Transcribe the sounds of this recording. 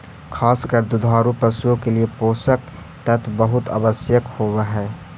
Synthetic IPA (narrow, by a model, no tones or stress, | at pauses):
kʰaːskəɾd̪ʊd̪ʱaːɾupəsuõkeliepoːsək | t̪ət̪ʰbəɦʊt̪a̰ːbəsjəkhoːʋeɦɛː